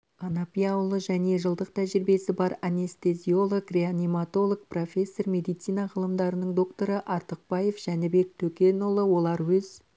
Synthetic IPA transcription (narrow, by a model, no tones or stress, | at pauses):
anapʲijawlˠəʒæne̞ʒəlˠd̪əqt̪ʰæʒɪɾbe̞sɪbɑɾanʲe̞st̪e̞zʲio̞lˠokre̞anʲimat̪o̞lˠok̚pro̞fʲe̞sːo̞rmʲe̞d̪ijt̪sijnɑʁəlˠəmd̪ɑɾənəɴd̪o̞kt̪o̞ɾəʔɑɾt̪əq̚bɑje̞fʒ̥ænɪbe̞k̚t̪ʰɵkʲe̞nolˠəwo̞lˠɑɾwɵz̥